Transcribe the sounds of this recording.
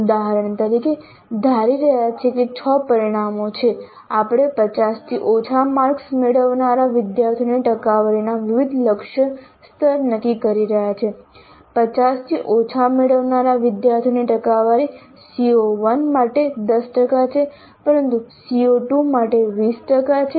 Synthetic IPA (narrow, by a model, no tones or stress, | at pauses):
d̪aɦɾəɳt̪əɾike | d̪ʱaɾiɾəɦjat͡ʃʰeket͡ʃʰəpəɾiɽ̃amot͡ʃʰe | apɽ̃epət͡ʃast̪ʰiʔot͡ʃʰamaɾksmeɽəʋnaɾaʋɪd̪jaɾt̪ʰijoniʈəkaʋaɾinaʋɪʋid̪ləkʃə | st̪ʰəɾnəkikəɾiɾəɦjat͡ʃʰe | pət͡ʃast̪ʰiʔot͡ʃʰameɽəʋnaɾaʋɪd̪jaɾt̪ʰijniʈəkaʋaɾi | sioʋənmaʈed̪əsʈəkat͡ʃʰe | pəɾənt̪usioʈumaʈeʋisʈəkat͡ʃʰe